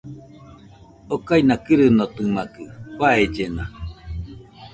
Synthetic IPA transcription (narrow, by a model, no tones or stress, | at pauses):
okainakɨɾɨnot̪ɯmakɯkʷwaed͡ʒena